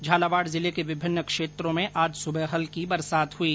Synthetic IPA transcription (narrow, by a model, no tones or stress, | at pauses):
d͡ʒʱaːlaːʋaːɽzɪlekeʋɪbʱɪnːəkʃeːt̪ɾõmẽʔaːd͡ʒsʊbəɦəlkibɐɾsaːt̪ɦʊiː